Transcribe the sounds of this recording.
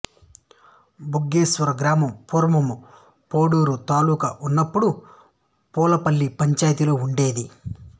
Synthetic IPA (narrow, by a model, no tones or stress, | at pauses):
buɡːeːsʋɐɾɐɡɾaːmɐmpuːɾɐmɐmu | poːɽuːɾut̪aːluːkɐʔunːɐpːuɽu | pɔːlɐpɐlːipɐɲt͡ʃaːjɐt̪iloːuɳɖe̞ːd̪i